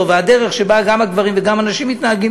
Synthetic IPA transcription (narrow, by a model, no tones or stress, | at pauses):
ovead̪eʁeχʃebaɡamaɡvaʁimveɡamanaʃimːittnaɦaɡi